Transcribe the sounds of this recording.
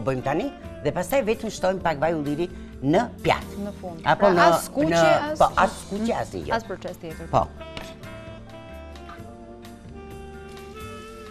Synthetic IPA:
bəjmt̪ani | ðɛpast̪ajvɛt̪əmʃt̪ɔjmpakvajulˠiɾi | nəpja̰t̪nəfunapɔnənəpɔat̪skut͡ʃɛast̪ḭjɔ̰ɛpɔ̰

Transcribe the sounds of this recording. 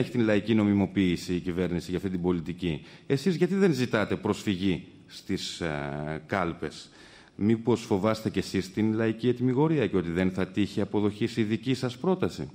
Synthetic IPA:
eçi̥t̪inlɐicino̞mimo̞piːsiːcive̞ɾnisiʝɐft̪it̪ibo̞lit̪icie̞sizʝɐt̪̬iðe̞nzit̪ɐt̪e̞pɾo̞sfiʝi | st̪is | kɐlpe̞s | mipo̞sfo̞vɐst̪e̞ce̞sist̪inlɐiciet̪imiɣo̞ɾiɐceo̞t̪iðe̞nθɐt̪içiɐpo̞ðo̞çisiðicisɐspɾo̞t̪ɐsi

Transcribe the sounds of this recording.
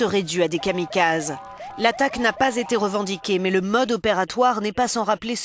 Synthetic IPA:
əʁɛd̪yad̪ekamikaz | lat̪aknapazet̪eʁəvɑ̃d̪ikʲemɛləmɔd̪ɔpeʁat̪waʁnɛpasɑ̃ʁaples

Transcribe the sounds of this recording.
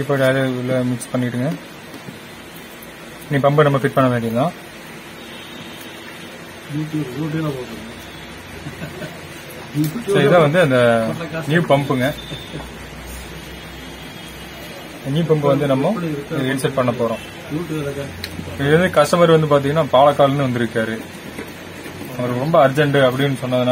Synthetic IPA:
ɪpːɐʈaːlɐɪlːɐmɪkspɐɳːɪkɪʈːɯŋɡɐ | niːpɐmbɯnɐmːɐfɪʈ̚pɐɳːɐʋeːɳɖɪjɐt̪ãː | juːʈjuːʈ̬elapoːkɐɾɯɐ | sɐɾiðãːʋɐnd̪ɯɐnd̪ɐniːpɐmbɯŋɡɐ | niːpɐmpɯʋɐnd̪ɯnɐmːɐ̃ɪðɪnsɐʈ̚pɐɳːɐpːoːɾõː | nuʈl | ɪɯʋɐnd̪ɯkɐʂʈɐmaːd̪ɾiʋɐnd̪ɯpaːɾt̪iŋɐnːaːpaːɭɐkːaːlnːɯʋɐnd̪ɪɾɯkːaːɾɯ | ɐŋɡɐɭkːɯɾɔmbɐɐɾd͡ʒɐɳɖɯɐp̬ːɐɽɪnːɯsɔnːɐðɯna

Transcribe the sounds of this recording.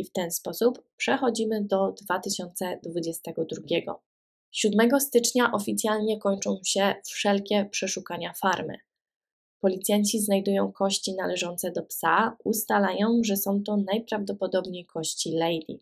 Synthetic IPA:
ift̪ɛnspɔsuppʂɛxɔd͡ʑimɘd̪ɔd̪vat̪ɘɕɔnt̪sɛd̪vud͡ʑɛst̪ɛɡɔd̪ɾuɡʲɛɡɔ̰ | ɕud̪mɛɡɔst̪ɘt͡ʂɲaʔɔfʲit̪sʲjalɲɛkɔɲt͡ʂɔ̃w̃ɕɛfʂɛlkʲɛpʂɛʂukaɲafaɾmɘ̰ | pɔlʲit̪sʲjaɲt͡ɕiznajd̪ujɔ̃w̃kɔɕt͡ɕinalɛʐɔnt̪sɛd̪ɔpsaust̪alajɔ̃w̃ʐɛsɔ̃w̃t̪ɔnajpɾavd̪ɔpɔd̪ɔbɲejkʰɔɕt͡ɕilɛjd̪ʲḭ

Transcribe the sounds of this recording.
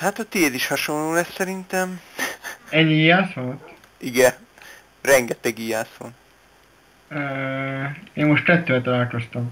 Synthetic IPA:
hat̪ɒt̪ed̪iʃhɒʃo̞nloːlɛsːɛɾint̪ɛm | ɛɟijaːsolt̪ | iɡɛ | rɛŋɡɛt̪ɛɡijaːso̰n | øː | eːmːoʃt̪kɛt̪ːøːɛt̪ɒlaːlko̞st̪ɒm

